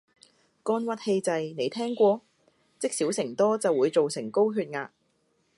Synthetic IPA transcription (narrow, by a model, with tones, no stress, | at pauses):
kɔː˧nwɐ˨t̚he˧jt͡sɐ˨jne˨˧jt̪ʰɛː˥ŋkʷɔː˧ | t͡sɪ˥k̚siː˨˥wsɪ˨˩ŋt̪ɔː˥t͡sɐ˨wːuː˨˧jt͡so˨wsɪ˨˩ŋko˥wɦyː˧t̚ŋaː˧